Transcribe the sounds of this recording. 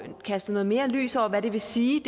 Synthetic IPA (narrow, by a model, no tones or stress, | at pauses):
kʰæsd̥ð̩nɔ̽ːð̩ˠme̝ːɐly̰ːsɒʊ̰ɐʋæɾ̥e̝ʋe̝siːd̥